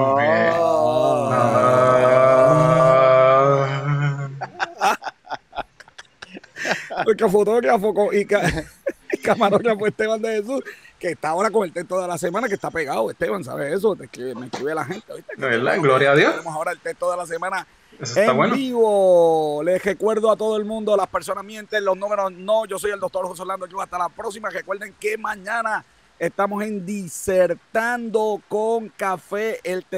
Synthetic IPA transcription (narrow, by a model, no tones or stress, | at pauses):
oe | a | pokafot̪okeafokoʔika | ikamaɾokafoeht̪eβand̪ehes̬uskeːst̪aːo̞ɾakoŋelt̪eht̪oðe̞lasemãnakest̪apeɣaoest̪eβaŋs̬a̰βese̞s̬ot̪ekɾiemekɾiβealaɦẽ̞nt̪eβiht̪ened̪a̰ŋɡloɾjaðjosemosao̞ɾaelt̪ekst̪oðelas̬e̞mãna | eseeawenoiβolesre̞kwe̞ɾðoat̪o̞ðoe̞lmũnd̪olaspeɾs̬o̞nasmjient̪elo̞snũmeɾosnõʝo̞s̬o̞jeld̪o̞k̚t̪o̞ɾhoseolnand̪okioast̪alapɾoks̬imare̞kwe̞ɾðe̞ŋkemãɲãna | est̪amo̞se̞nd̪iseɾt̪and̪o̞koŋkafe̞ʔelt̪